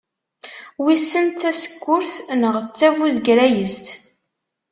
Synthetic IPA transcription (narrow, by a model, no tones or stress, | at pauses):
wisːənt̪æsə̥kːʊɾθnəʁt͡sːævuzɡɾæjəst̪